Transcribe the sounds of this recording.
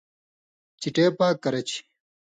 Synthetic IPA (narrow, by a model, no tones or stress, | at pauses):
t͡ɕiʈeːpaːkːɐɾɐt͡ɕʰi̥